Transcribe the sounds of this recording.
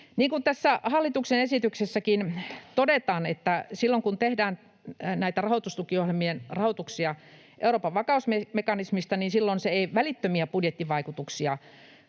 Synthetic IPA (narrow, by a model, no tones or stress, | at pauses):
niːŋkunt̪æsːæhɑlːit̪uksenesit̪yksesːækint̪odet̪ɑːnet̪ːæsilːoŋkunt̪ehdæːn | næit̪ærɑhot̪ust̪ukiohelmienrɑhot̪uksiɑ | ʔḛuroːpɑʋʋɑkɑusmemekɑnismist̪ɑniːnsilːonseeiʋælit̪ːømiæpudjet̪ːiʋɑikut̪uksiɑ